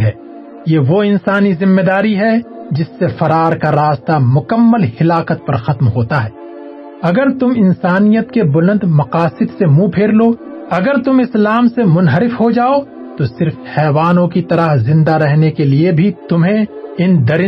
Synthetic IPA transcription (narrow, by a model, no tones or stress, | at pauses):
ɛː | jeʋoɪnsaːnizɪmːed̪aːɾiɦɛd͡ʒɪsːefɐɾaːɾkaɾaːst̪amʊkəmːəlhɪlaːqət̪̚pɐɾxɐt̪mɦoːt̪aɦɛː | ɐɡəɾt̪ʊmɪ̃nsaːnijət̪kebʊlə̃nd̪mɐqaːsɪd̪semũpʰeːɾloːɐɡəɾt̪ʊmɪslaːmsemʊnɦəɾɪfɦod͡ʒaːo | t̪osɪɾfhɛːʋaːnõkit̪ɐɾəɦzɪ̃nd̪aɾɛɦnekeliebʱit̪ʊmɦẽɪnd̪ɐɾɪ